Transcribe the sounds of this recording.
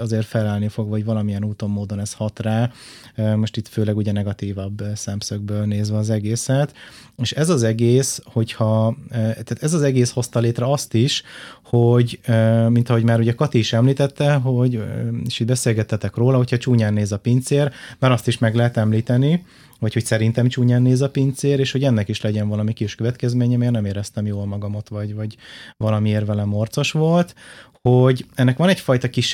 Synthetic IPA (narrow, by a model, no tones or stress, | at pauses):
ɒzeːrt̪fɛlaːlnifo̞ɡvɒɟvɒlɒmijɛnuːt̪o̞mːoːd̪o̞nɛshɒt̪raː | mo̞ʃt̪it̪føːlɛɡuɟɛnɛɡɒt̪iːvɒbsɛmsøɡ̚bøːlneːzʋɛɒzɛɡeːsɛt̪eːʃɛzɒzɛɡeːsho̞chɒt̪aːt̪ɛzɒzɛɡeːsho̞st̪ɒleːt̪rɛɒst̪iʃhoɟømint̪ɒɦo̞ɟmaːɾuɟɛkɒt̪iːʃɛmliːt̪ɛt̪ːɛɦo̞ɟeːʃiːd̪bɛseːlɡɛt̪hɛt̪ɛkroːlɒɦo̞cʰhɒt͡ʃuːɲaːnːeːzɒpint̪seːrmɛɾɒst̪iʃmɛɡlɛɦɛt̪ɛmliːt̪ɛni | vɒcho̞csɛɾint̪ɛmt͡ʃuːɲaːnːeːzɒpint̪seːɾeːʃho̞ɟɛnːɛkiʃlɛɟɛɱvɒlɒmikiʃkøvɛt̪kɛzmeːɲɛmeːrnɛmeːɾɛst̪ɛmjoːlmɒɡɒmot̪ʋɒɟvɒɟvɒlɒmieːrvɛlɛmo̞rt̪so̞ʃʋo̞lt̪ | ho̞ɟɛnːɛkʋɒnɛcfɒjt̪ɒkiʃ